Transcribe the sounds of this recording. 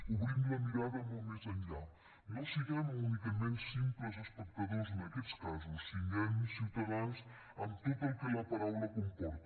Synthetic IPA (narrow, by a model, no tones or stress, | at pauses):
uβɾĩmuɐmiɾaðɛmõmẽzɐmiɾað | nɔsiɣamunikɐmẽnt̪sĩpɔzɐʃpɛk̚t̪ɐðoɾz̬enɐkelˠʃkazusiɲɐ̃nusiwt̪ɐðɐ̃w̃s | ɐmt̪ot̪ɐkɛlɐpɐɾawlɐkõmpɔɾt̪